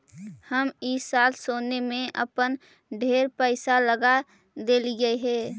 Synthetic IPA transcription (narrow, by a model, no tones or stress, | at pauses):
həmiːsaːlsoːnemẽʔə̰pən | ɖʱeːɾpəɪsaləɡa | d̪eːliɡəeɦɛː